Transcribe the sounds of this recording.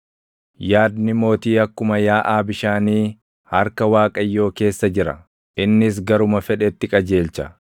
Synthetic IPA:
jaːd̪nɪmo̞ːt̪iːɐkːʊmɐjaːʔaːbɪʃaːniː | hɐɾkɐwaːkʼɐjːo̞ːke̞ːsːɐd͡ʒɪɾɐ̰ | ʔɪnːɪs̬ɡɐɾʊmɐfɛᶑɛt̪ːɪkʼɐd͡ʒe̞ːlt͡ʃɐ

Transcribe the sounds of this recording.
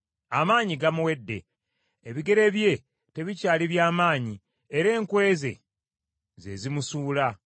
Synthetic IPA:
amaːɲiɡamuwe̞dːe̞̰ | eβiɡe̞ɾe̞βje̞ | te̞βicaːliβjaːmaːɲi | eɾe̞ːŋkwe̞ːze̞̰ | ze̞̰zimusuːla

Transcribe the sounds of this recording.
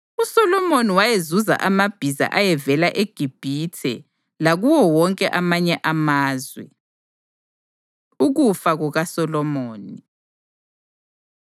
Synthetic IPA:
usɔlɔmoniwajezuza̰ʔamab̥ʱiza̰ʔajɛvɛlaʔeɡ̥ʱib̥ʱitʰɛ̰ | laɣuwɔwɔŋkʼɛʔamaɲɛʔamaːzwɛ̰ | uɣufaɣuɣasɔlɔmoːni

